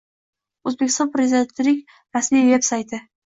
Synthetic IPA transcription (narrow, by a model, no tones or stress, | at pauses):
ɵzbekʲʰɪst̪ɒnpɾezʲid̪ent̪ɪlɪkʲ | ɾasmijve̞psajt̪ʰɪ